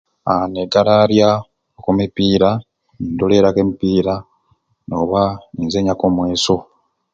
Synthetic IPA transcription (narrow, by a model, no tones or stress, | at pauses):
aneɡalaɾja | okumipiːɾa | nindole̞ɾakemipiːɾa | noβainzeɲakomwe̞ːso̞